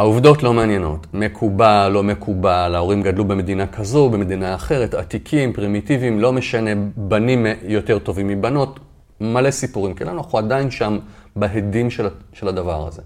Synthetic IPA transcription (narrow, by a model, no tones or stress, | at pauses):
hauvd̪o̞tlo̞meanje̞no̞̰tme̞kʰubalo̞me̞kʰubalao̞ʁimɡadlubeme̞d̪inakʰazobeme̞d̪inaːχe̞ʁetat̪ikʰimpʁimitivimlo̞me̞ʃane̞banimjo̞te̞ʁto̞vimːibano̞t | male̞sipuʁimkelanuaχuadajinʃambaɦedimʃeʃeladavaʁa̰ze̞̰